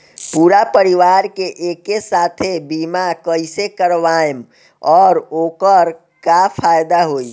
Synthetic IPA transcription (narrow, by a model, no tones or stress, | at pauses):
puːɾapəɾiʋaɾkeʔekesat̪ʰebimakəɪsekəɾʋaem | ɔːɾoːkəɾ | kapʰajd̪aɦoi